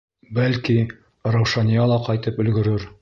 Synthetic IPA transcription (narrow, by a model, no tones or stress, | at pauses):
bælki | ɾɑwʃɑnijɑlˠɑqɑjt̪ɤpɵ̆lɡɵ̆ɾɘɾ